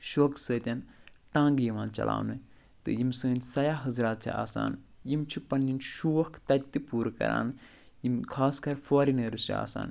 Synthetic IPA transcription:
ʃoːksəːt̪ʲɐnʈãːŋɡjiʋãːnt͡ʃɐ̰la̰ːwnɨ | t̪ɨ̰jimsəːnʲsɐjaːɦɐzɾaːt̪̚t͡ʃʰḭa̰ːsa̰ːnjimt͡ʃʰipɐnːinʃuːɐhkʰt̪ɐt̪t̪ipuːɾkɐ̰ɾa̰ːn | jimkʰaːskɐɾfʰoːɾineːɾut͡ʃʰia̰ːsa̰ːn

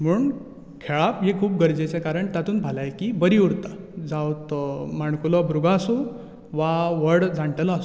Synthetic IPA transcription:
m̤uɳ | kʰeɭapɦekʰuːpɡəɾd͡ʑet͡sekaɾəɳt̪at̪uːnbʱalajkibəɾiuɾt̪a | d͡zawt̪maɳkulɔbɾuɡaːsũ | ʋaʋəɽd͡zãɳʈelɔasu

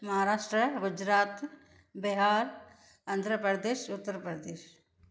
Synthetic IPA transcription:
mɐɦaɾaːʃʈɾəɡʊd͡ʒɾaːt̪ | bɪɦaːɾ | ɐnd̪ʱɾəpɾəd̪eːʃʊt̪ːəɾpɾəd̪eːʃ

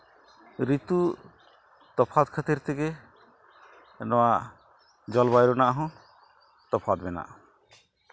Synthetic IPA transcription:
ɾit̪u | t̪ɔpʰat̪̚kʰat̪iɾt̪ʰiɡe | nɔwa | d͡ʒɔlbajɾɔnaʔaɦɔ̃ | t̪ɔpʰat̪̚bɛna̰ʔ

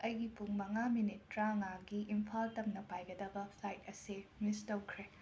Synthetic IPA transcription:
ɐjɡipuŋmɐŋaminitːɾaŋaɡiʔimpʰaltɐmnɐpajɡɐdɐbɐpʰlajt̚ɐsimistowkʰɾe

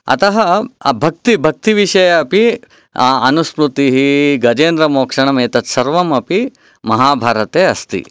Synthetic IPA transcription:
ɐ̰t̪ɐɦɐbʱɐk̚t̪ibʱɐk̚t̪iʋiʃɐjɐɐpi | ɐnuspɾut̪iɦiɡɐd͡ʒeːnd̪ɾɐmoːkʂɐɳɐmeːt̪ɐt̪sɐɾʋɐmɐpi | mɐɦaːbʱaːɾɐt̪eːɐst̪ḭ

